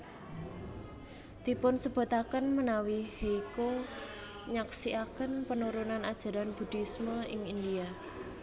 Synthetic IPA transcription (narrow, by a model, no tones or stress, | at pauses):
d̪̥i̤pʊnsəb̥o̤t̪akənmənawiheiko | ɲaksiʔakənpənuɾonanad̥ʒ̥a̤ɾanb̥ṳd̪̥i̤sməɪŋind̪ia